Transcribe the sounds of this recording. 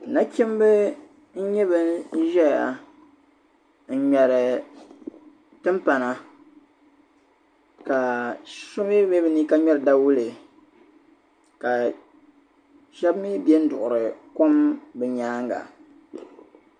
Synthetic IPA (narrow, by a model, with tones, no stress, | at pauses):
na˦kʲi˦m˦bɨ˦ | n̩˦ɲɛ˦βɨ˦ʒɛ˦ja̰˨ | n̩˦˨ɲɛ˨ɾɨ˨ | tɨ˦mpa˨na˨ | ka˨sʊ˦mi˦be˦bɨ˦ni˦ka˦ɲɛ˦ɾɨ˨da˦wu˦lɨ˨ | ka˨ | ʃɛ˦bmi˦bɛ˦n̩˦dʊ˨ʔʊ˨ɾɨ˨ko˦mbɨ˨ɲaː˦ŋɡa̰˨